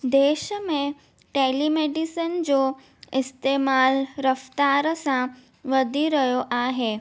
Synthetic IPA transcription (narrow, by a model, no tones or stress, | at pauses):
d̪eːɕmẽ | ʈelimeɖisənd͡zo | ist̪emaːlɾəft̪aɾəsã | ʋəd̪ʱiɾəjoʔaɦe